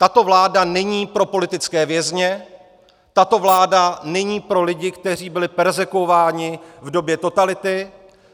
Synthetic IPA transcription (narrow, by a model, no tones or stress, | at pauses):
t̪at̪o̞vlaːdanɛɲiːpɾo̞po̞lɪt̪ɪt͡skɛːvjɛzɲɛ | t̪at̪o̞vlaːdanɛɲiːpɾo̞lɪɟɪkt̪ɛr̝iːbɪlɪpɛɾzɛkuovaːɲɪvdo̞bjɛt̪o̞t̪alɪt̪ɪ